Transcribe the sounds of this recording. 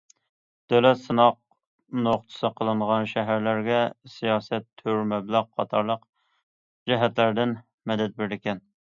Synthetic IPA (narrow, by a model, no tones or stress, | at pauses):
d̪̥ølɛt̪sɨnɑq̚ | noχt̪ʰɨ̥sɨqʰəlˠɨɴʁɑnʃɛɦæɾlæɾɡʲɛsijɑːsɛt̪ʰːyɾmɛblˠɑʁqʰːɑt̪ʰɑɾlˠəq | d͡ʒɛɦæt̪læɾd̪ɪn | mɛd̪ɛt̪̚beɾlɪkʲɛn